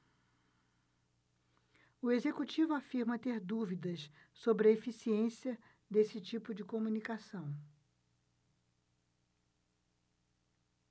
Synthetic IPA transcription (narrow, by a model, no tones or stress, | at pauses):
ʊezekut͡ʃivʊafiɾmɐt̪eɾd̪uvid̪ɐssobɾɪɐefisiẽsiɐ | d̪esɪt͡ʃipʊd͡ʒɪkomunikasɐ̃w̃